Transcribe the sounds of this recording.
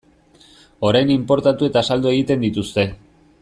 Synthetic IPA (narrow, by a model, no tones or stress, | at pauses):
o̞ɾajnimpo̞ɾt̪at̪ue̞t̪asald̪ue̞ɣ̞it̪e̞nd̪it̪ust̪e̞